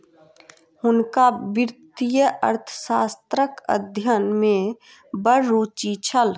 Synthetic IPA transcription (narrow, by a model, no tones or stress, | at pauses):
hʊnkabiɾt̪ijəʔə̰ɾt̪ʰə̥saːst̪ɾəkə̰d̪ʱjənmẽ | bəɾːut͡ʃit͡ʃʰəl